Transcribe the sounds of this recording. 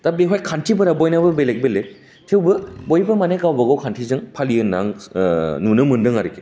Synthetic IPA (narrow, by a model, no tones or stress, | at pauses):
tabeɦɔjkʰantʰibɯɾabɔjnabɯbelek̚belek̚ | tʰewbɯbojbɯmaneɡawbɐɡawkʰantʰizɯŋpʰaliɯna̰ŋ | nunɯmɯndɯŋaɾike̥